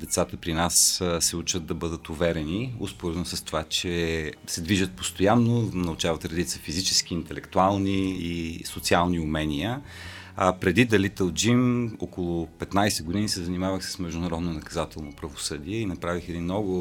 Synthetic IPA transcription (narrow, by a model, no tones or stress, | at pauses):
d̪ɛt̪sat̪əpɾinassɛut͡ʃəd̪̚d̪ɐbɤd̪ət̪uvɛɾɛniuspoɾɛnosəst̪ovat͡ʃɛsɛd̪viʒət̪̚post̪ojanːonɐʊt͡ʃavət̪ɾɛd̪it̪səfizit͡ʃɛskiːnt̪ɛlɛkt̪ualˠniːsot̪sialˠniʊmɛnʲiə | pɾɛd̪id̪ɐlit̪əlˠd͡ʒimokolˠʊpɛt̪najsɛɡʊd̪inisɛzɐnimavəxsə̥smɛʒd̪ʊnɐɾɔd̪nonɐkɐzat̪ɛlˠnopɾɐvosɤd̪iɛinɐpɾavixɛd̪inːɔɡʊ